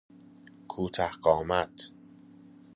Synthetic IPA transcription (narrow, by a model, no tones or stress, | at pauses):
kʰuːt̪ʰæhɢɒːmæt̪ʰ